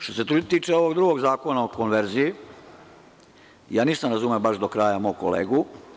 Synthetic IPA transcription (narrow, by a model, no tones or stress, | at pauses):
ʃt̪o̞se̞t̪ɾut̪iːt͡ʃeo̞ʋo̞ɡd̪ɾuɡo̞ɡzaːko̞naoko̞nʋeɾziji | jaːniːsamɾazumeobaʃd̪o̞kɾaːjamo̞ːɡko̰lḛːɡu